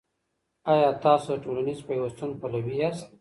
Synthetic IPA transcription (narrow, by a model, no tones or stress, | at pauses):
ɑjɑt̪ɑsoʈolanizpajwast̪unpalawiast̪̚